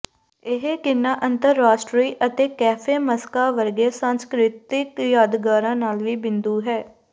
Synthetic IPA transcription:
ɪɦeːkɪnːãːʔənt̪əɾːaːʃʈɾiːʔət̪eːkɛːpʰeːməskaːʋəɾɡeːsãːnskɾɪt̪ɪkjaːd̪ɡaːɾãːnaːlʋiːbɪnd̪uːɦɛː

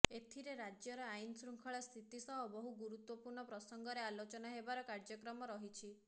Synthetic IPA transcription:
et̪ʰiɾeɾad͡ʒjɔɾɔajnɔsɾuŋkʰɔɭɔst̪ʰit̪isɔɦɔbɔɦuɡuɾut̪wɔpuɾɳɔpɾɔsɔŋɡɔɾealot͡ʃɔnaɦebaɾɔkaɾd͡ʒɔkɾɔmɔɾɔɦit͡ʃʰi

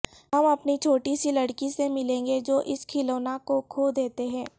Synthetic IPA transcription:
ɦɐmɐpnit͡ʃʰoːʈisilɐɽkisemɪlẽːŋɡed͡ʒoːʔɪskʰɪloːnakokʰoːd̪eːt̪eɦɛ̃ː

